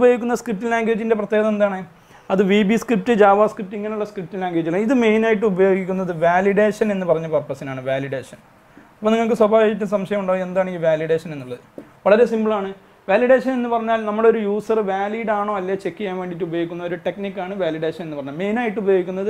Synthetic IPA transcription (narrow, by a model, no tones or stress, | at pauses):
bɐjoɡikʲːunːɐskrip̚tːilaːŋɡɾt͡ɕːinde̞p̬rɐt̪ːjeɣɐðɐmend̪aːɳɨ | ɐðɨʋiːbiskrip̚tɨd͡ʑaːʋaːskrip̚tːiŋːɐneuɭːɐskrip̚ʈːillaːŋɡɐɾt͡ɕːilaiðɨme̞jnaːjiʈ̬ːɨubɐjo̞ːɡikʲːunːɐðɨʋaːliɽe̞ːʂɐne̞nːɨpɐrɐɲːɐpɐrpːɐsinaːɳɨʋaːliɽe̞ːʂɐn | ɐpːoːniŋːɐɭk̬ːɨswɐbʱaːʋiit̬ʲːɨsɐmʂɐjɐmuɳɖoːe̞nd̪aːɳiʋaːliɽe̞ːʂɐne̞nːuɭːɐðɨʋɐɭɐɾe̞simbɨɭaːɳɨ | ʋaːliɽe̞ːʂɐne̞nːɨpɐrɐɲːaːlnɐmːuɽeo̞ɾujuːsɐrʋaːliːɽaːɳoːɐlːat͡ɕe̞kːijaːnʋe̞ːɳɖit̬ːɨubɐjoɡikʲːunːɐoɾuʈe̞knikːaːɳɨʋaːliɽeːʂɐnenːɨpɐrɐɲːalme̞jnaːjiʈːubɐjo̞ːɡikʲːunːɐðɨ